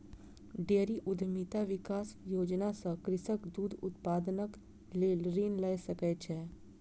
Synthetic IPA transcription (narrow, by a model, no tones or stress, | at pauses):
ɖeːɾiʔʊd̪ʱmit̪aʋɪkaːsjoːd͡ʒnasə̃kɾɪsəkd̪uːd̪ʱʊt̪paːd̪nək | leːlɾiːnləjsəkɛt͡ʃʰɛ